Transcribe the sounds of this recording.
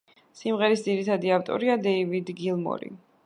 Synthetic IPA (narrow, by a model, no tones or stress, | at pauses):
simʁɛɾisd̪ziɾit̪ʰad̪iaft̪ʼɔ̰ɾiad̪ɛivid̪ɡilˠmɔ̰ɾḭ